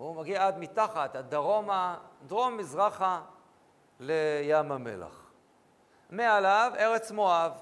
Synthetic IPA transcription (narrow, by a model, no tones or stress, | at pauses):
umaɡiaad̪mit̪aχat̪ad̪aʁo̞mad̪ʁo̞mːizʁaχa | lejamamḛla̰χ | mealave̞ʁet͡smo̞av